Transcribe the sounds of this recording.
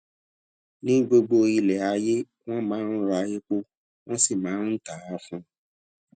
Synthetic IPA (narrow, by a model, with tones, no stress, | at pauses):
nĩ˦ɡ͡bo˧ɡ͡bo˧i˧lɛ˨a˧je˦ | w̃ɔ̃˦mãː˨˦n̩˦ɾa˧˦je˦k͡po˦ | w̃ɔ̃˦si˦˨mãː˨˦n̩˦ta˨˦a˦fũ˧